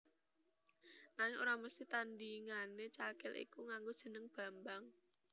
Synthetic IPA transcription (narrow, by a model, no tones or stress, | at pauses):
naŋɪŋoɾaməst̪it̪andiŋanet͡ʃakɪlḭkuŋaŋɡo̥ʒ̥ə̤nəŋb̥a̤mbaŋ